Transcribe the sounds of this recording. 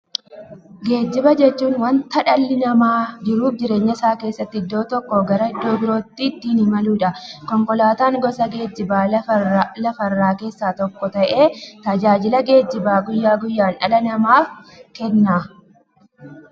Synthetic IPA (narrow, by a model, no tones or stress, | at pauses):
ɡe̞ːd͡ʒːɪbɐd͡ʒɛt͡ʃːuːnwɐnt̪ɐᶑɐlːɪnɐmaːd͡ʒɪɾuːfd͡ʒɪɾe̞ːɲːɐɪsaːke̞ːsːɐt̪ːɪɪd̪ːo̞ːt̪ɔkːɔɡɐɾɐɪd̪ːo̞ːbɪɾo̞ːt̪ːid̪ːiːnɪmɐluːᶑɐkɔŋkɔlaːt̪aːŋɡɔsɐɡeːd͡ʒːɪbaː | lɐfɐrːaːke̞ːsːaːt̪ɔkːɔt̪ɐʔe̞ːt̪ɐd͡ʒaːd͡ʒɪlɐɡe̞ːd͡ʒːɪbaːɡʊjːaːɡʊjːaːnᶑɐlɐnɐmaːfkɛnːaː